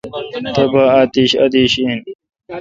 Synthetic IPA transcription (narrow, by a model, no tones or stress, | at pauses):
t̪ɐbaaːt̪iːɕɐ̰d̪iːɕiːn